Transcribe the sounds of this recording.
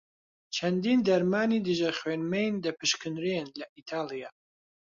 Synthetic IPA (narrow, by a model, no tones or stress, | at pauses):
t͡ʃʰɐnd̪iːnd̪ɐɾmaːnid̪ɨʒɐχweːnmejnd̪ɐpʰɨʃkʰɨnɾenlɐʔit̪ʰaːlijaː